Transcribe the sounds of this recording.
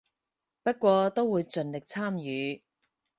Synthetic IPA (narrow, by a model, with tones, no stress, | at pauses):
pɐ˥t̚kʷɔː˧t̪o˥wwuː˨˧jt͡sɵ˨nlɪ˨k̚t͡sʰaː˥mjyː˨˧